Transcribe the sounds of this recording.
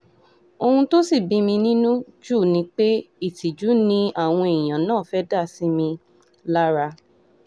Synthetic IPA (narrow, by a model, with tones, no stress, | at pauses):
o˧hũ˧to˦si˦˨bi˨˦mĩ˧nĩ˦nũ˦d͡ʒuː˦˨nĩ˧˦k͡pe˦i˦˨ti˨d͡ʒu˨˦nĩ˦a˦˨w̃ɔ̃˧e˨j̃ã˨nãː˦˨fɛ˦da˦˨si˦mĩ˧ | la˦ɾa˧